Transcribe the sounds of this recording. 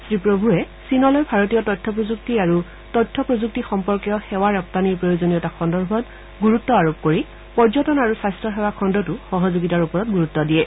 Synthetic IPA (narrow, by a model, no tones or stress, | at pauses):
sɹipɹobʱuɹɛ | sinɔlɔjbʱaɹotijɔtɔjtʰːɔpɹozuk̚tiaɹu | tɔjtʰːɔpɹozuk̚tixɔmpɔɹkijɔxɛwaɹɔp̚taniɹpɹojozoniɔtakʰɔndɔɹbʱɔt | ɡuɹutːɔaɹop̚koɹi | pɔɹzɔtɔnaɹusajstɹɔɦɛwakʰɔndɔtuxɔɦɔzoɡitaɹupɔɹɔt̚ɡuɹutːɔdijɛ